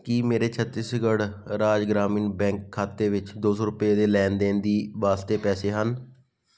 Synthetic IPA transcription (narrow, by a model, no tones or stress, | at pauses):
kiːmeːɾeːt͡ʃʰət̪ːiːsɡəɽɾaːd͡ʒɡɾaːmiːnbɛ̃ːŋkʰːaːt̪eːʋɪt͡ʃd̪oːsoːɾʊpeːd̪eːlɛːnd̪eːnd̪iːʋaːst̪eːpɛːseːɦən